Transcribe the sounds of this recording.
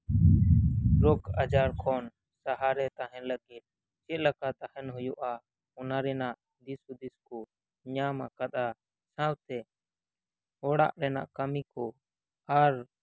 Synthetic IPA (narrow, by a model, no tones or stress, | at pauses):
ɾokəd͡ʒaːɾkʰɔːn | səɦaːɾɛt̪aːɦɛnləɡet̪̚ | t͡ʃɛləkaːt̪ahɛnɦʊjoʔaː | ʊnaːɾɛːnaʔ | d̪isud̪ɪskoː | ɲãːmakəɗ̪aː | sãːwt̪ɛː | oːɽa̰ʔɾɛːna̰ʔkəmiːkoː | aːɾ